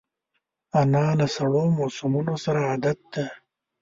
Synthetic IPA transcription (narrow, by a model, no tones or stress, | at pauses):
anɑːlasaɽomosumunosaɾaːd̪at̪̚d̪a